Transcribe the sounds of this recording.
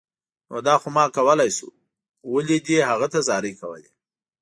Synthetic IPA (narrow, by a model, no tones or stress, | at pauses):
no̰d̪ɑxomɑkawəlajsṵ | waled̪ehaɣat̪azɑɾikawə̰le